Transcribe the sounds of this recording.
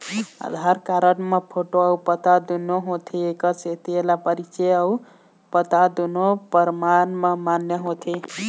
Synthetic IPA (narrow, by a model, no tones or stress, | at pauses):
a̰d̪ʱaɾkaɾənmepʰoʈoəupət̪ad̪unoɦot̪ʰiekəset̪ʰielapəɾit͡ʃejəw | pət̪ad̪unopəɾmanmemanjeɦot̪ʰe